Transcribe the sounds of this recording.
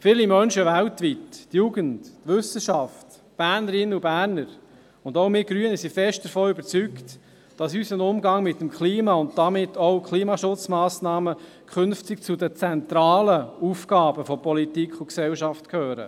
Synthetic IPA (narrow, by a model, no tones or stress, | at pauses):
fɪːlimœnʃəʋæltʋitːjuɡənd̥tʋʏsəʃɑft | b̥æːɾnəɾɪnubæːɾnəɾ | ʊndowmɪːɡɾyənəsifɛʃtd̥əɾfɔːʏbəɾt͡sykt | d̥ɑsysənʊmɡɑŋmɪtːəmkʰliːmɑʊnt̚d̥ɑmɪtʰːɔʊkχliːmɑʃʊt͡smɑːsnɑːmə | kʰχʏnftɪk̚t͡sudət͡sɛnt̪ɾɑːləufkɑːbəfɔpɔlitikχʊksɛlʃɑftkʰhøːɾə̰